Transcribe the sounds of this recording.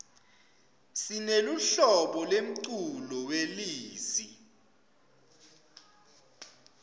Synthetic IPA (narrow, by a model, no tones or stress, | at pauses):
sineluɬɔɓɔlwem̩ǀulɔweliːsi